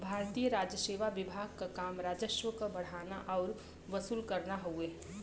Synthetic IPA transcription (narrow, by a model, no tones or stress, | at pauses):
bʱaːɾt̪ijəɾaːd͡ʒjəseːʋaʋɪbʱaːɡ̚kakaːmɾaːd͡ʒəʃwəkobɐɽ̤aːnaʔɔːɾ | ʋəsuːlkəɾnaɦoeː